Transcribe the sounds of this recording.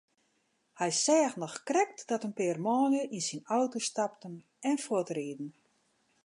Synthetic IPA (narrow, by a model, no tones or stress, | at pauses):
hɛjsɛːxnɔxkrɛk̚tdɔtənpɪːrmɔːnjəʔinsinɔwtostap̚tən | ɛnfoətriːdn̩